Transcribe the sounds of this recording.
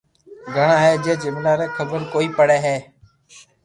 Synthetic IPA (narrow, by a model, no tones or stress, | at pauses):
ɡʱəɳaːɦeːd͡ʒeːd͡ʒɪmnaːɾeːkʰəbəɾkoːiːpəɽeːɦeː